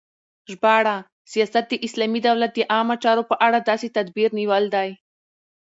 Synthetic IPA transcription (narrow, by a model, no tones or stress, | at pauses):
ʒbɑɽa | sijɑsat̪̚d̪əʔɪslɑmid̪awlat̪̚d̪əʔɑmat͡ʃɑɾopəʔaɽad̪ɑset̪ad̪biɾniwəld̪aj